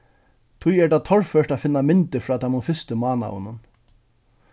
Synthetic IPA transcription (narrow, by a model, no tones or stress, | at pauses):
t̪ʰʊjɛɹʈ̪aːt̪ʰɔɹfœɹʈafɪnːamɪnt̪ɪfɾɔːt̪ʰamʊnfɪst̪ɪmɑːna̰ʊ̰nʊn